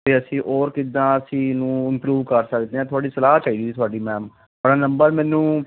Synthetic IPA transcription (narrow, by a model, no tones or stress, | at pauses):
eːəsĩːʔɔːɾkɪd̪ãːəsĩːnũːɪmpɾuːʋkəɾsəkd̪eːɛ̃ːt̪ʰʊaːɖiːsəlaːɦt͡ʃaːiːd̪iːiːt̪ʊaːɖiːmɛ̃ːm | aɽaːnəmbəɾmɛ̃ːnũː